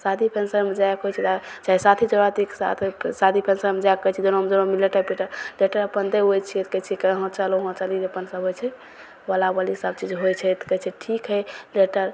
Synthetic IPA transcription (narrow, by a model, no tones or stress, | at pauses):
sad̪ʱipʰensəɾmed͡ʒaekɦojt͡ʃʰɛt̪at͡ʃaisat̪ʰit͡ʃəɾat̪iksat̪ʰsad̪ipʰensəɾmed͡ʒaekːəjt͡ʃʰid͡ʒonomd͡ʒonomileʈəpeʈəɾleʈəɾəpənd̪eɦojt͡ʃʰiet̪ʰkət͡ʃʰikəɦɔ̃t͡ʃaloɦɔ̃t͡ʃaliəpənsəbʱojt͡ʃʰɛ | wəlabəlisəb̚t͡ʃid͡ʒɦojt͡ʃʰɛet̪kət͡ʃʰɛʈʰikɦəjleʈəɾ